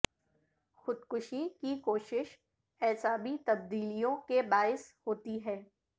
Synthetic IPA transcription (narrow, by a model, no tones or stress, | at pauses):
xʊd̪kʊʃikikoːʃɪʃ | ɛːsaːbit̪ɐb̚d̪iːlijõkebaːɪshoːt̪iɦɛː